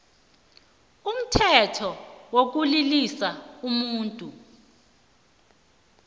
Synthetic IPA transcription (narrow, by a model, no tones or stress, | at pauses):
um̩tʰɛtʰɔwok̬ulilisaumuːntʼu